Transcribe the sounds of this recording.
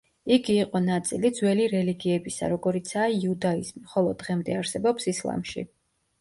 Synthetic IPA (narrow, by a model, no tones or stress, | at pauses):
iɡiːqʼɔnat̪sʼilid̪zwɛliɾɛliɡiɛbisa̰ɾɔɡɔɾit̪sʰaiːud̪aizmiχɔlˠɔd̪ːʁɛmd̪ɛaɾsɛbɔpsislˠa̰mʃḭ